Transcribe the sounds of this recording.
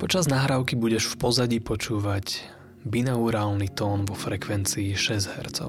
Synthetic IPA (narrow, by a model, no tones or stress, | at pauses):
pɔt͡ʃaznaɦɾaʊkibuɟɛʃfpɔzaɟipɔt͡ʃuːʋaɟ | binauɾaːlnit̪ɔːnʋɔfɾɛkʋɛnt͡siːʃɛzɦɛ̰ɾt͡sɔ̰ʊ